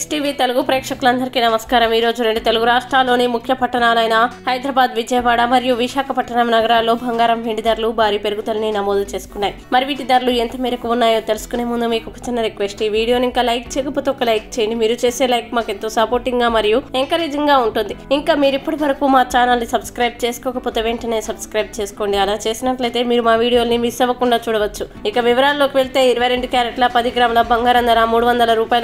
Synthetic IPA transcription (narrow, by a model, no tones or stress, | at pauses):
sʈiːʋiːt̪eluɡupɾeːkʂɐkulɐnd̪ɐɾikiːnɐmɐskaːɾɐmiːɾo̞ːd͡ʒuɾe̞ɳɖut̪e̞luɡuɾaːʂʈɾaːlːoːnimukʰjɐpɐʈːɐɳaːlɐjnɐhɐjd̪ɾɐbaːd̪ʋid͡ʒɐjɐʋaːɽɐmɐɾijuʋiʃaːkɐpɐʈːɐɳɐmnɐɡɐɾaːlːo̞ːbʱɐŋɡaːɾɐmʋeɳɖid̪ɐɾlubʱaːɾiːpe̞ɾuɡut̪ɐlɐninɐmoːd̪t͡ʃe̞ːsu̥kunːaːjimɐɾiʋiʈid̪ɐɾluent̪ɐmiːɾɐkuunːaːjo̞ːt̪e̞lusu̥kune̞ːmund̪umiːkukɐ̥t͡ʃinːɐɾikʋesʈiʋiːɽijo̞ːniŋkaːlɐjk̚t͡ʃeːkɐput̪uɔkːɐlɐjk̚t͡ʃejɐnd̪imiːɾut͡ʃe̞ːse̞ːlɐjkmaːke̞nt̪o̞ːsɐpoːɾʈiŋɡɡaːmɐɾijueŋkɐɾeːd͡ʒɐŋɡaːuɳʈund̪iiŋkaːmiːɾipːɐʈiʋɐɾɐkuːmaːt͡ʃaːnɐlnisɐbskɾɐjb̚t͡ʃe̞ːsu̥kɔːkɐpoːt̪eʋe̞ːɳʈɐne̞sɐbskɾɐjb̚t͡ʃe̞ːsu̥ko̞ːɳɖiɐlaːt͡ʃe̞ːsinɐʈlɐjt̪e̞ːmiːɾumaːʋiːɽijo̞ːlnimisɐʋɐkuɳɖaːt͡ʃuːɽɐʋɐt͡ʃːuikɐʋiʋɐɾaːllo̞ːkiʋeɭt̪e̞ːiɾuʋɐjɾe̞ɳɖukjaːɾeʈlɐpɐd̪iɡɾaːmɐlɐbɐŋɡaːɾɐnd̪ɐɾaːmuːɽuʋɐnd̪ɐlɐɾuːpaːjɐl